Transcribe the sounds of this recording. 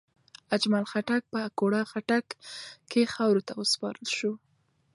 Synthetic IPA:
ad͡ʒmalxaʈak̚pəakoɽaxaʈakːexawɾot̪awəspɑ̰ɾəlʃu

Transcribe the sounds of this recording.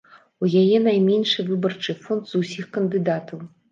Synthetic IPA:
ujajɛnajmʲɛnʂɨvɨbɐrt͡ʂɨfɔnd̪z̥usʲixkɐnd̪ɨd̪at̪ɐw

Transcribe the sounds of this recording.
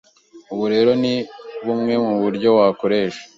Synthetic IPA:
uβuɾe̞ːɾo̞niβumŋe̞muβuɾɟo̞wakoɾe̞ːʃḁ

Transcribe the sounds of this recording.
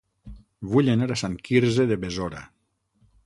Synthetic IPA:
βuʎenaɾasaŋkiɾzeðeβezoɾa̰

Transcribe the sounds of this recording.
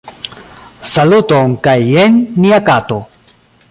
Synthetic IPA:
salut̪oŋkajenːiakat̪o

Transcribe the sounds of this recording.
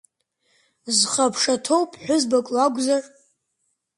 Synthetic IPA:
zχapʰʂatʰowpʼħʷᶣʊzbakʼlaɡʷʼzar

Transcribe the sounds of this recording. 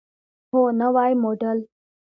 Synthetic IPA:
ɦonəʋaːjmoːɖəl

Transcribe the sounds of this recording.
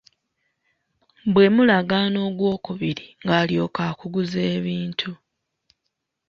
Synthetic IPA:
bwe̞mulaɡaːno̞ːɡwo̞ːkuβiɾiŋɡaːljo̞ːkaːkuɡuze̞ːβiːntʰu

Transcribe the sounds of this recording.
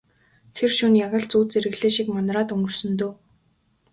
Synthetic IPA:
t̪ʰerʃunjaʁə̆ɬt͡suːt͡seɾɘ̆ɣɮeːʃikmanraːt̪ɵŋɡɵ̆rsɵ̆nt̪oː

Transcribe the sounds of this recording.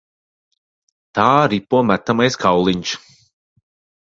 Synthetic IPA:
t̪aːɾipuɔmæt̪ːamajskawlˠiɲʃ

